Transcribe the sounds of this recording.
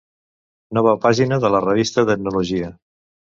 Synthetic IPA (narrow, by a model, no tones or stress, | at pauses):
nɔβəpaʒinəðələrəβ̞ist̪ət̪əɡ̚nuluʒiə